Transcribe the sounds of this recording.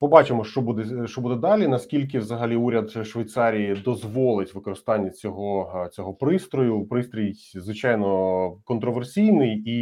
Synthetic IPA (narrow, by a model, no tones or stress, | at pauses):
pɔbɑt͡ʃɪmɔʃt͡ʃɔbud̪ɛʃt͡ʃɔbud̪ɛd̪ɑlʲinɐskʲilʲk̬ɪwzɐɦɐlʲiuɾʲɐd̪ʃʋejt̪sɑɾʲijid̪ɔzʋɔlˠɪtʲʋɪkɔɾɪst̪ɑnʲːɐt͡sʲɔɦɔt͡sʲɔɦɔpɾɪst̪ɾɔjʊpɾɪst̪ɾʲitʲzʋɪt͡ʃɑjnɔkɔnt̪ɾɔʋersʲijnɪji